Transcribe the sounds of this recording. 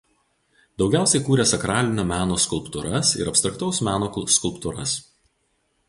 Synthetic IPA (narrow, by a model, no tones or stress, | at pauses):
d̪ɒʊɡʲæˑʊsʲɛɪkuːɾʲeːsɐkɾɑːlʲɪnʲɛmʲæːnoːskʊlˠpt̪ʊɾɐsɪ̰ɾɐpʲst̪ɾɐk̚t̪ɒʊsmʲæːnoːskʊlˠpt̪ʊɾɐ̰s